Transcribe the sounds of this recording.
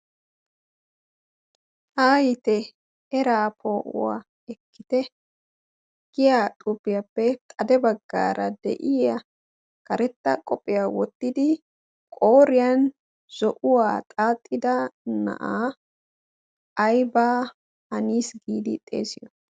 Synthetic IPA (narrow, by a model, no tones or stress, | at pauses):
aːjɪt̪ɛ | ɛɾaːpʰoːʔʊ̰wa̰ː | ɛkːɪt̪ɛ | ɡ̥ɪjat̪ʼʊpːɪjɐpːɛt̪ʼɐd̪ɛbɐɡːa̰ːɾɐd̪ɛ̰ʔɪɐ | kɐɾɛt̪ːɐkʼɔpʼːɪjawɔt̪ːɪd̪ɪ | kʼo̞ːɾɪjɐn | z̥ɔʔʊwaːt̪ʼaːt̪ʼːɪd̪ɐnɐ̰ʔaː | ɐjbaː | hɐniːsɡiːd̪ɪt̪ʼːe̞̰ːsɪjɔ